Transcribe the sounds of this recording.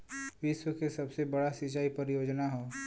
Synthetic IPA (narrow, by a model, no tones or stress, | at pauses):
ʋɪswəkesɐbsebɐɽasɪt͡ʃaːipɐɾjoːd͡ʒnaɦõː